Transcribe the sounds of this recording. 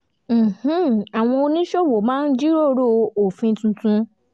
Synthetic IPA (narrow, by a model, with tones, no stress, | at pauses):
m̩˨h̩˦a˨w̃ɔ̃˧o˧nĩ˦ʃo˦˨wo˨mãː˦n̩˦d͡ʒi˦ɾo˦˧˦ɾo˦˧o˨fĩ˧˦tũ˧tũ˧